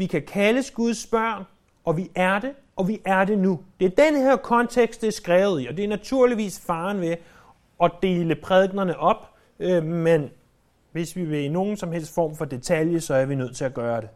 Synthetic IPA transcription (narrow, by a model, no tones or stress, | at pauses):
ʋikʰækʰæləsɡ̥uð̞ˠsb̥ɶɐ̰n | ɒ̽ʋiʔæɐd̥e̝ | ɒ̽ʋiʔæɐd̥e̝nud̥e̝æɐd̥enheɐkʰɒ̽nt͡sʰeɡ̥sd̥eɐsɡ̥ʁɛːʊð̞̩ˠiɒ̽d̥e̝æɐnæt͡sʰuɐ̰liʋḭːsfɑ̈ːnʋe̝ | ɒ̽d̥e̝ːləpʰʁɛðˠɡ̥nɐnəʔɒ̽b̥ | ømen | ʋe̝sʋiʋe̝ino̝ːn̩sɒ̽mhel̰sd̥fɒ̰ːmfɒ̽d̥e̝t͡sʰæljəsɒ̽æɐʋinøð̰ˠt͡sʰe̝læɡ̥ɶːɐɾ̥e̝